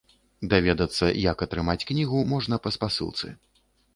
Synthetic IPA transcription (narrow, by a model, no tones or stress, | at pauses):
d̪avʲɛd̪ɐt̪sːɐjɐkɐt̪ɾɨmat͡sʲknʲiɣumɔʐnɐpɐspasɨ̰lˠt̪sɨ̰